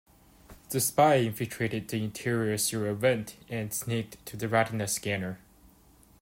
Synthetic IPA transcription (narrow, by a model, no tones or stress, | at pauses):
ðɨspaɪɪ̃nfɪlˠtʰɹ̥eɾɨd̪̚ðiɪ̃ntʰɪɹiə˞səɹɪvɛ̃ntɛ̃nsnek̚tʰɨðɨɹaɾnəskænə˞